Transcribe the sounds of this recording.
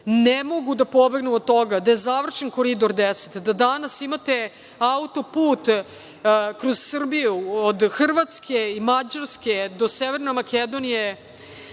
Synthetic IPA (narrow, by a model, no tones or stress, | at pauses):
nemo̞ɡud̪apo̞be̞ɡnuod̪̚t̪o̞ɡad̪aje̞zaʋr̩ʃenko̞ɾid̪o̞ɾd̪ese̥t̪d̪ad̪anasimat̪e | aut̪o̞puːt̪ | kɾoz̥sr̩bijuod̪xr̩ʋat̪skʰeimad͡ʑaɾsked̪o̞seʋeɾnemaked̪onije